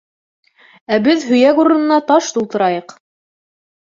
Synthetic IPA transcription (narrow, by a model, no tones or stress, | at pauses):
æbɘðɦɵ̆jækuɾɤ̆nɤ̆nɑt̪ɑʃt̪ulˠt̪ɤ̆ɾɑjɤq